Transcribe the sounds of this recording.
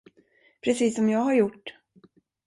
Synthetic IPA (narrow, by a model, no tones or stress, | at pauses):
pʰɾɛsiːsɔmjɑːɡɦhaɾjʊʈː